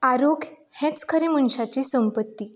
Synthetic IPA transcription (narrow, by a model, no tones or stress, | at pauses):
aɾoɡʱ | hɛ̃t͡skʰəɾemənɕat͡ɕiːsəmpət̪ːiː